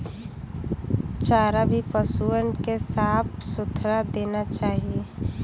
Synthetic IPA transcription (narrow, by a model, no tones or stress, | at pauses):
t͡ʃaːɾabʱipəsuːənkesaːp̚ʰsʊt̪ʰɾad̪eːnat͡ʃaːɦie